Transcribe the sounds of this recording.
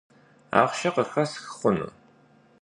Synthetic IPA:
a̰ːʁʃɐqəxɐsxɨ̥χʷʊnɨ̰

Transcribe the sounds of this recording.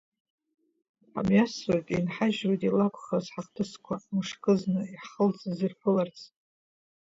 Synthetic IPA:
a̰mjaswatʼinħaʒwajtʼilakʷʰχazħaχtʰɨskʷʰamɨʂkʰʼɨznɨiħχəlt͡sʼɨzɨrpʰɨlart͡sʰ

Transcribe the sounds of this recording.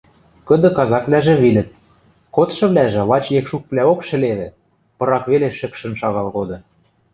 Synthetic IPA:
kɤ̆d̪ɤ̆kɑzɑkvlæʒĕβilɘ̆t̪̚ | kot̪ʃɤ̆βlæʒĕlɑt͡ɕjekʃukvlæokʃɘ̆leβɘ̆ | pɤ̆ɾɑkβeleʃɘ̆kʃə̆nʃɑɣɑlɣod̪ɤ̆

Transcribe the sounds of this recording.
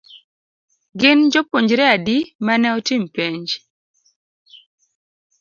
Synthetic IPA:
ɡɪnd͡ʒopoɲd͡ʒɾeadimanɛɔtimpeɲd͡ʒ

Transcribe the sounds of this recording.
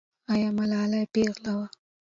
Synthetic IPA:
ajɑmalɑːlajpeɣlawa

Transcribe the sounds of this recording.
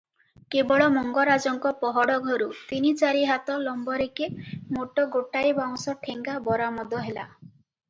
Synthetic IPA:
kebɔɭɔmɔŋɡɔɾad͡ʒɔŋkɔpɔɦɔɽɔɡʱɔɾut̪init͡ʃaɾiɦat̪ɔlɔmbɔɾekemoʈɔɡoʈaɾibaŋsɔʈʰeŋɡabɔɾamɔd̪ɔɦela̰

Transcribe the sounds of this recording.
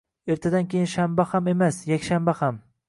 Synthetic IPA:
e̞ɾt̪ʰad̪ankʲejɪnʃambahame̞masjakʲʃambaham

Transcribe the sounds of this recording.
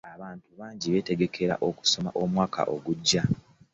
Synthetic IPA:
aβaːntuβaːɲɟiβe̞ːte̞ɡe̞kʰe̞ɾa̰ʔo̞ku̥so̞ma̰ʔo̞mwaːkʰa̰ʔo̞ɡuɟːa

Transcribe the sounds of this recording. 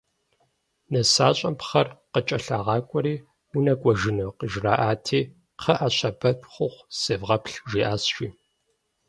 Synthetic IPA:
nɐsaːɕʼɐmpχɐrqət͡ʃʼɐɬaːʁɑːkʷʼɔɾiː | unɐkʷʼɔʒɪnoqəʒraːʔaːtʰiː | qʰɐʔaːɕɐbɐtʷʼχʷʊχʷsɨvʁɐpɬʒiːʔaːsʃʷiː

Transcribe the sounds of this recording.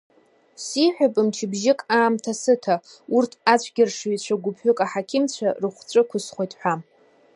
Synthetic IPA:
siħʷᶣapʼɨmt͡ʃʰɪbʒɪkʼaːmtʰasɨtʰa | urtʰat͡ɕʷʰɡʲɪrʂit͡ɕʷʰaɡʷʊpʰħʷʊkʼaħakʲʰɪmt͡ɕʷʰarɨχʷt͡ɕʷʼɨkʷʰʊsχʷojtʼħʷᶣa

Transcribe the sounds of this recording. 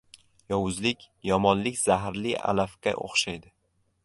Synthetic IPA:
jɒwʊzlɪkʲ | jɒmɒnlɪkʲz̥aɦɾlɪa̰lafkʲa̰ʔo̰χʃajd̪ɪ

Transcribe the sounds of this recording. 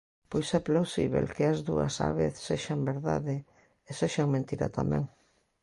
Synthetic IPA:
pojsɛplawsḭβḛlkeɐzðuɐ̰sa̰βeθseʃambeɾða̰ðe | eseʃaŋmẽnt̪iɾa̰t̪amɛ̰̃ŋ

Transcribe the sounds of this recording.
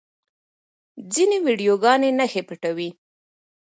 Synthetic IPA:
d͡zinewiɖijoɡɑnenaxepiʈawi

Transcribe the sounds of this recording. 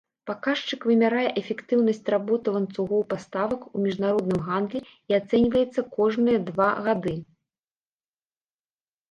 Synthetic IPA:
pakaʂt͡ʂɨkvɨmʲaɾajɛʔɛfʲɛkt̪ɨwnɐsʲt͡sʲrabɔt̪ɨvɐnt̪suɣɔwpast̪avɐkumʲiʐnaɾɔd̪nɨmɣand̪lʲi | iat̪sɛnʲvɐjɛt̪sːɐkɔʐnɨjɐd̪vaɣad̪ɨ

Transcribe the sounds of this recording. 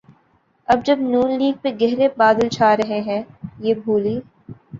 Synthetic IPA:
ɐb̚d͡ʒɐbnuːnliːɡ̚peɡɛɦɾebaːd̪əlt͡ʃʰaːɾɐɦẽɦɛ̃ːjeːbʱuːliː

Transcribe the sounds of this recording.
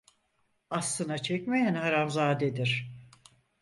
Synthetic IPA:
aslˠɯnat͡ʃʰɛcmejænhaɾamzaːd̪ed̪iɾ̥

